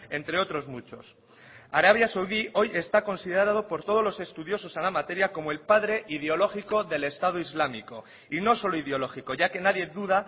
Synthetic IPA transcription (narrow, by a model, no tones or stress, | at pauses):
e̞nt̪ɾe̞o̞t̪ɾo̞zmut͡ʃo̞s | aɾaβ̞jasawðio̞je̞st̪ako̞nsiðeɾað̞o̞po̞ɾt̪o̞ð̞o̞zlo̞se̞st̪uð̞jo̞so̞senamat̪e̞ɾjako̞moe̞lpaðɾe̞ʔiðeo̞lo̞xiko̞ðe̞le̞st̪að̞oizlamiko̞ | ino̞so̞loiðeo̞lo̞xiko̞ʝake̞naðje̞ðuða